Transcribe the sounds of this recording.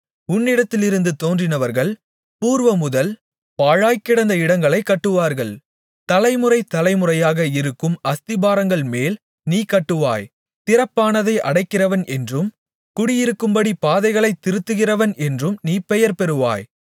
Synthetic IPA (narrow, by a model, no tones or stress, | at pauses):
ʊnːɪɽɐt̪ːɪlɪɾɯnd̪ɯt̪oːndrɪnɐʋɐɾɣɐɭ | puːɾʋɐmʊðɐl | paːɻaːjkːɪɽɐnd̪ɐɪɽɐŋɡɐɭɐɪkːɐʈːɯʋaːɾɣɐɭ | t̪ɐlɐɪmɯɾɐɪt̪ɐlɐɪmɯrɐjaːɣɐɪɾɯkːɯmɐst̪ɪbaːɾɐŋɡɐɭmeːl | niːkɐʈːɯʋa̰ːj | t̪ɪɾɐpːaːnɐðɐɪʔɐ̰ɽɐɪkːɪrɐʋɐnʔɛndrɯm | kʊɽɪjɪɾɯkːɯmbɐɽipaːðɐɪɣɐɭɐɪt̪ːɪɾɯt̪ːɯɣɪrɐʋɐnʔɛndrɯmniːpɛjɐɾpɛɾɯʋa̰ːj